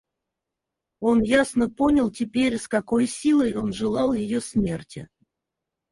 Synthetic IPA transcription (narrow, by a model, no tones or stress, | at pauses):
o̞njasnəpo̞nʲɪlˠtʲɪpʲeɾʲɪskɐko̞jsʲilˠəjo̞nʐɨlˠɑlˠjɪjosʲmʲertʲɪ̰